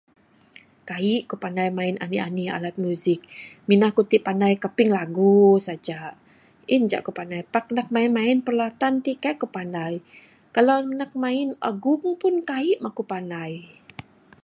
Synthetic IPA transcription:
kaiʔkupanajmaɪna̰nia̰nia̰lat̪̚muzɪk̚minahkut̪iʔpandajkəpɪŋlaɡusad͡ʒa | ind͡ʒa̰ʔkupanajpak̚nak̚mainmaɪnpərlat̪ant̪ikaiʔkupanaj | kalanak̚maɪna̰ɡʊŋpʊnkaiʔmakupanaj

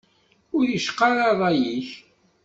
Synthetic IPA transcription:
ʊɾjəʃqɑɾˤɑðˤɑjiç

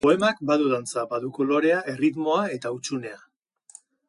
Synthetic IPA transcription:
po̞e̞mak̚baðuðant͡sabaðuko̞lo̞ɾe̞aʔe̞rit̪mo̞ae̞t̪aut͡ʃune̞a

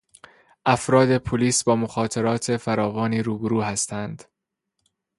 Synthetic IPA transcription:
ʔæfɾɒːd̪e̞pʰoliːsbɒːmoxɒːt̪ʰeɾɒːt̪ʰe̞fæɾɒːvɒːniːɾuːbeɾuːɦæst̪ʰænd̪̥

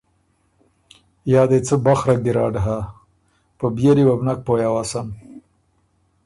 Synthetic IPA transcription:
jɑːd̪et͡səbaxɾak̚d̪iɾɑ̰ɖɦa | pəbjeɾiwabnak̚pojawaːsam

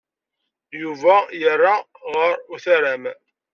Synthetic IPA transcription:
juvæjərːa | ʁəɾuθæɾæm

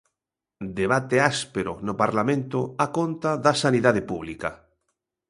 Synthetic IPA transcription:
d̪eβat̪easpeɾʊ̰nopaɾlamẽnt̪ʊakont̪aðasaniðað̞epuβlika

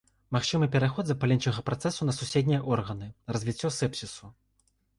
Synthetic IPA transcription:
maxt͡ʂɨmɨpʲɛɾaxɔd̪zɐpalʲɛnt͡ʂɐɣɐpɾat̪sɛsunɐsusʲed̪ʲnʲijɐʔɔrɣɐnɨrɐzʲvʲit͡sʲːɔsɛpsʲisu

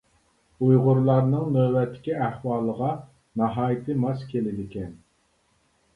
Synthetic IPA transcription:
ujʁʊɾlˠɑɾnɨŋnøwɛt̪ʰːɪ̥kʲiæhwɑːlˠəʁɑ | nɑɦɑːjit̪ʰɨmɑskʲʰelɪd̪ɪkʲʰɛn

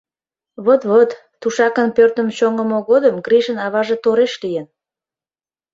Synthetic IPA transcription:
βot̪βot̪ːuʃɑkənpørt̪əmt͡ɕoŋəmoɣod̪əmɡriʒənɑβɑʒet̪oɾeʃlijən

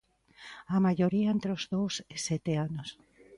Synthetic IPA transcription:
amaʝoɾiaent̪ɾeozðowsɪsɛt̪eanos

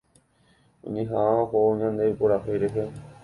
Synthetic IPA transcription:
õ̰ɲĩɦãaoɦooɲãnd̪epoɾaɦejɾeɦe

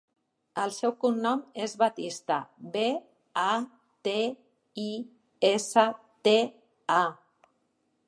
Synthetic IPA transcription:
əlˠsɛwkunnɔmezβat̪ist̪aβe | a | t̪e | i | esə | t̪e | a

